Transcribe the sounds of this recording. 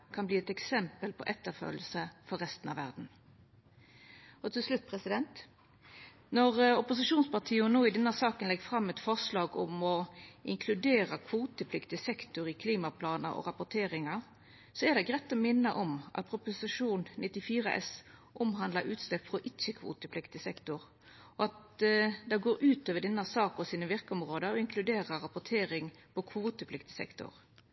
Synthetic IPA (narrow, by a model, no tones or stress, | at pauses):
kʰɑnbliːɛt̪ɛksɛmpəlpʰɔ̰ʔɛt̪ːəʁfø̰ːl̩səfɔʁːɛst̪n̩ɑʋæʁd̪n̩ | ɔt̪ʰɪlslʉt̪̚ːpʰʁɛsɪd̪ɛnt̪ | nɔʁɔpʊsɪʃuːnspɑʁt̪ʰiːʊnoːɪd̪ɛnːəsɑːkənlɛɡfʁɑmːɛt̪fɔʁslɑːɡɔmɔʔɪŋkʰlʉd̪eːʁəkʰʋuːt̪əpʰlɪkt̪ɪəsɛkt̪ʊɾɪkʰliːmɑpʰlɑːnə̰ɾɔ̰ʁɑpʊt̪ʰeːʁɪŋɑʁ | sɔæd̪ɛɡʁɛt̪ːɔmɪnːəʔɔmʔɑ̰t̪̚pʰɾʊpʊsɪʂuːnnɪt̪ːɪfiːʁəʔɛ̰sʔʊmɦɑnd̪ləɾʉːt̪st̪ɛpfʁɔʔɪt͡ʃːəkʰʋṵːt̪əpʰlɪkt̪ɪsɛkt̪ʊʁ | ɔɑt̪d̪ɛɪɡoːɾʉːt̪øːʋəɖɛnːəsɑːkɔsiːnəʋɪʁkəɔmʁoːd̪əɾɔɪŋkʰlʉd̪eːʁəʁɑpʊt̪ʰeːɾɪŋpʰɔkʰʋuːt̪əpʰlɪkt̪ɪsɛ̰kt̪ʊ̰ʁ